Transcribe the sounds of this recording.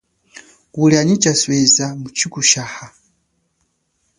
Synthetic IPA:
kuliaɲit͡ʃaswɛzamut͡ʃʰikuʃaha

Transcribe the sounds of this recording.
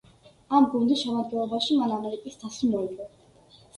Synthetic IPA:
amɡund̪isʃɛmad̪̚ɡɛnlˠɔbaʃimanamɛɾikʼist̪ʰasunɔliɔ

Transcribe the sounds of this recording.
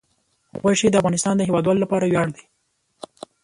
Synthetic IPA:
ɣajʃed̪əafɣɑnɪst̪ɑnd̪əhewɑd̪wɑlolapɑɾawjɑɽd̪i

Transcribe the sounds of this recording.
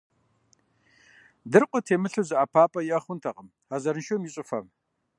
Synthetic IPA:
dɨrqʷʼɔtʰeːmɨɬuzɨʔaːpʰaːpʼɐjɪɐχʷʊntʰɐqʼəm | azɐɾnʃomjɪɕʼɨfɐ̰m

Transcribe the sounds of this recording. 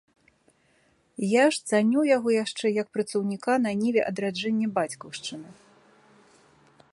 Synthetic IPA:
jaʂt̪sanʲujaɣɔjaʂt͡ʂɛjɐk̚pɾɐt̪sɐwnʲikanɐnʲivʲɛʔɐd̪ɾad͡ʐɛnʲːɛbat͡sʲkɐwʂt͡ʂɨnɨ

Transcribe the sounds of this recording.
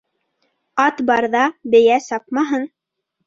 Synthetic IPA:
ɑt̪bɑɾðɑbɘ̆jæsɑp̚mɑɦɤn

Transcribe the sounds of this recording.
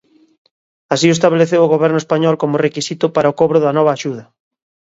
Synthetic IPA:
asioest̪aβeleθewʊɣoβɛɾnʊespaɲɔlkomʊrekisit̪ʊpaɾaokɔβɾʊðɐnɔβ̞ɐaːʃuðɐ

